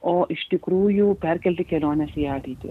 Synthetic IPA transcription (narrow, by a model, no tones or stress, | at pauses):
oːʔiʂʈikɾuːjupeɾkelʈ̪ikeloːnɐsijaːʈit̪ṵ